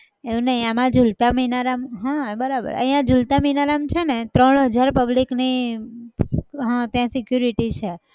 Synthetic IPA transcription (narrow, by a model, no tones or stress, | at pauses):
eũnəɦĩamãd͡ʒult̪aminaɾamɦãbəɾabə̰ɾə̰̃ɦĩjãd͡ʒult̪aminaɾamt͡ʃʰenet̪ɾəɳɦəd͡ʒaɾpəblikni | ɦãt̪jãsɪkjuɾiʈit͡ʃʰe